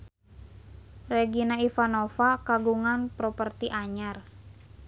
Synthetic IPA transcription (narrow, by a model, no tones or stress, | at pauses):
rɛɡinaifanofakaɡuŋanpɾɔpərt̪iʔaɲar